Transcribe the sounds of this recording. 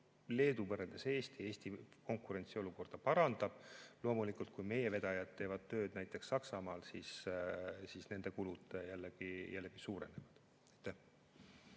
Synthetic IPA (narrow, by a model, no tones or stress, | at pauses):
le̞ːd̪uvɤɾeld̪̥ese̞ːst̪ie̞ːsʲt̪iko̞ŋkˑuɾe̞nʲt̪sio̞luko̞rd̪̥ɑpɑɾɑnd̪̥ɑb̥lo̞ːmulikult̪̚kujme̞je̞ve̞d̪̥ɑjɑd̪̚t̪ːe̞ːvɑd̪̥̚t̪ø̞ːd̪̥næjt̪ːˑe̞ksːɑksɑmɑːlsis | sisne̞nd̪̥e̞kulud̪̥jælːeɡ̥ijʔælːe̞ɡ̥isuːɾe̞nevɑd̪̥ | ejt̪ːˑæh